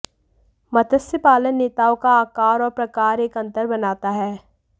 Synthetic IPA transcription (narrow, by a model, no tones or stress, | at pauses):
mɐt̪ʰəsəpaːlənːeːt̪aːõkaaːkaːɾɔːɾpɾɐkaːɾeːkɐ̃nt̪əɾbɐnaːt̪aɦɛː